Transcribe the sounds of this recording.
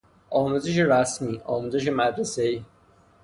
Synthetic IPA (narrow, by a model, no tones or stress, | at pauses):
ɒːmuzɪʃ̬iɾasmiːʔɒːmuziʃ̬imæd̪ɾæsei